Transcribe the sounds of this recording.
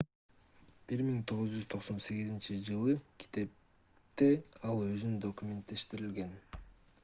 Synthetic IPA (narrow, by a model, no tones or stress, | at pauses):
b̥iɾmiŋt̪ʰo̞ʁɯzd͡ʒyzt̪ʰo̞qso̞nse̞ɡizint͡ʃid͡ʒɯlˠɯkʰi̥t̪e̞p̚ | t̪e̞ɑlˠø̞zynnd̪o̞kumʲe̞nt̪̚d̪e̞ʃt̪iɾilɡe̞n